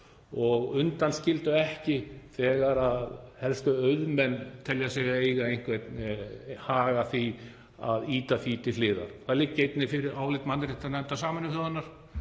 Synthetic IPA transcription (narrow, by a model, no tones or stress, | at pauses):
ɔɣʏnt̪anscɪlt̪ʏɛhcɪθɛːɣaɾaðhɛlskʏœɥðmɛnːt̪ʰɛljasɛɣaejɣaejn̥kʰvɛt̪nhaːɣaθi | a̰ðiːt̪aθiːt̪ɪlɪːða̰ɾθalɪcːejt̪nɪfɪɾɪɾaːwlɪt̪manːɾɪht̪anɛnt̪asaːmɪnːɪfœːðanːaɾ̥